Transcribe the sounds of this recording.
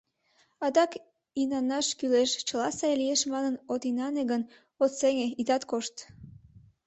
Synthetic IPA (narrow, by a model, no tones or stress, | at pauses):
ɑd̪ɑk | inɑnːɑʃkyleʃt͡ɕəlɑsɑjlijeʃmɑnənot̪inɑneɡən | ot̪seŋeit̪ɑt̪koʃt̪